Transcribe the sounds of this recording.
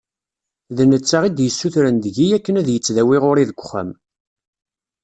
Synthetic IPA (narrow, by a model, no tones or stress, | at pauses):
ðənət͡sːaʁid̪jəsːuθɾənd̪əʝijækːənæðjət͡sːðæwiʁoɾiðəɡʷːχːæ̰m